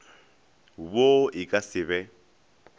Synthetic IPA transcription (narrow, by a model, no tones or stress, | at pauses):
βoikʼasɪβɛ